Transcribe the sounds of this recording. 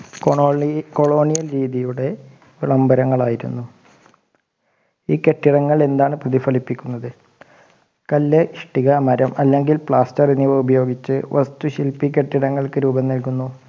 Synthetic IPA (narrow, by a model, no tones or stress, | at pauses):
koɭo̞ːɳijɐlɾiːðijuɽe̞ | ʋiɭɐmbɐɾɐŋːɐɭaːjiɾṵnːu | iːke̞ʈːirɐŋːɐɭe̞nd̪aːɳɨprɐðifɐlipːikʲːunːɐðɨ | kɐlːeʂʈiɣɐmɐɾɐmɐlːe̞ŋɡilpɭaːstɐriniʋɐubɐjo̞ːɡit͡ɕːɨ̰ʋʔɐ̰st̪uɕilpːikʲːe̞ʈːiɾɐŋːɐɭkɨɾuːbɐnːɐlkunːu